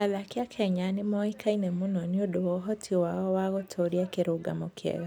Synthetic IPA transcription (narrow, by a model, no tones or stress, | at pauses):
aðakjakʰɛɲanemɔikʰainɛmunɔniodowɔɦɔtʰiwaɣɔwaɣotʰoɾiakeɾoɡa̰mokʰɛ̰ɣa